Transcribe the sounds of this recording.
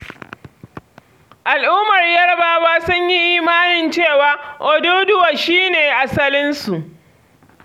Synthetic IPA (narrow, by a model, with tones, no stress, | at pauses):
ʔa˨lʔuː˦mɐ˨rjɐ˦ɽbaː˦waː˦sʊ˦ɲji˦ʔiː˦maː˦nɪ˨nt͡ʃeː˦˨waː˨˦ʔɔ˨doː˦dʊ˦wa˨ʃiː˦neː˨ʔa˨sɐ˦lɪ˦nsu˨ʔ